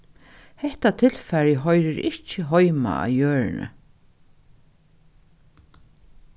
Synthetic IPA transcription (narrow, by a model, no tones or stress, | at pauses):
hɛht̪at̪ʰɪlfɛɾjəɦɔjɾɪɾɪht͡ʃɪɦɔjma̰a̰wjœːɹɪnə̰